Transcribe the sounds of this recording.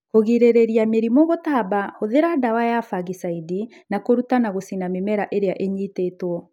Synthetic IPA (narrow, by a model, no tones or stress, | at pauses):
hoɣiɾeɾeɾiameɾimɔɣotabahoðeɾadawajafaɣisaidi | nakoɾutanaɣosinamemɛɾaʔeɾeaʔeɲitetwɔ